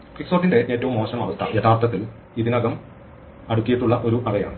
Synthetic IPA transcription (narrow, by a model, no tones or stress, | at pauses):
kiksoːʈːinde̞ʔe̞ːtːɐʋumːoːɕɐmɐʋɐst̪ʰɐ̰jet̪ʰːaːrt̪ɐt̪ːil | iðinɐɣɐm | ɐɽukʲːijiʈːuɭːɐʔo̞ɾuʔɐrɐja̰ːɳɨ